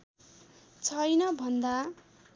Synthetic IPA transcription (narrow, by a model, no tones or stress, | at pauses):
t͡sʰʌjnʌbʱʌnd̪a